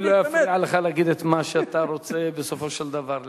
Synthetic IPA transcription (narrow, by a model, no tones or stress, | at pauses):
lojjafʕaleχalaɡid̪et̪maʃeat̪aɾot͡sebesofoʃeld̪avaɾl